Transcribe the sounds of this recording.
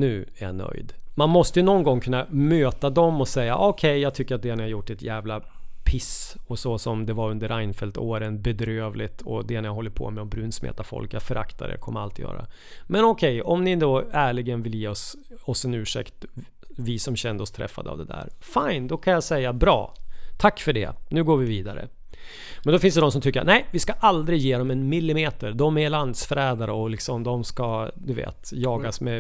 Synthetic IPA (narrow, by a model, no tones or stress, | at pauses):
nʉ̟ːæɾja̰nœ̰jd̪manmɔst̪əjɵnɔnɡɔŋkʰɵnːamøːt̪ad̪ɔmɔsɛjːa̰ʔɔkʰɛjːɑːɡt̪ʰʏkːəɾat̪̚d̪ɛnɪhaɾjʊʈːɛt̪jæːvlapʰɪsɔsɔsɔmd̪ɛvaɾɵnd̪əɾaɪnfɛlt̪oːɾənbɛd̪ɾøːvlɪt̪ʰɔd̪ɛnjaɦɔlːəɾpʰɔ̰mɛɔbɾʉːnsmḛːt̪afɔ̰lkjafœɾʔa̰kt̪a̰d̪ə̰kʰɔmːəɾa̰lt̪ɪjœ̰ːɾa̰ | mɛnɔkʰɛjɔmnɪd̪oːæːɭɪɡənvɪljeːɔsɔsːɛnʉ̟ːʂɛ̰kt̪ | vɪsɔmɕɛnd̪əɔst̪ʰɾɛ̰fːa̰d̪əa̰vd̪ɛd̪æ̰ːɾfaɪnd̪ɔkʰanjasɛjːabɾɑ̰ːt̪ʰakːfœɖɛ̰nʉ̟ːɡoːɾvɪviːd̪aɾə̰ | mɛnd̪ɔfɪnsd̪ɛd̪ɔmsɔmt̪ʰʏkːəɾa̰næɪvɪskaʔald̪ɾɪjeːd̪ɔmɛnmɪlːɪmeːt̪əɾd̪ɔmæland̪sfɾɛːd̪aɾəɔlɪksɔmd̪ɔmskad̪ɵvḛːt̪jɑːɡasmɛ